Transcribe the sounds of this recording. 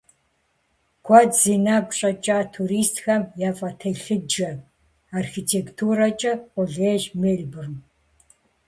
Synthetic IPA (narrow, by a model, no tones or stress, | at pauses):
kʷʰɔdziːnaːbɕʼɐt͡ʃʼaːtʰuɾiːstxɐmjaːfʼɐtʰɐɬɨd͡ʒɐ | aːrxiːtʰeːktʰuːrɐt͡ʃʼɐqʷʼɔɮeːʒmeːɮbɨrm